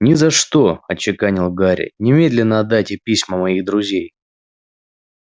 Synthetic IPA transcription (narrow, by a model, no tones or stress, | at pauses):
nʲɪzɐʂt̪o̞ɐt͡ɕɪkanʲɪlˠɡaɾʲɪ̰nʲɪmʲe̞d̪lʲɪnːəɐd̪ːatʲɪpʲisʲməmɐiɣd̪ɾʊzʲej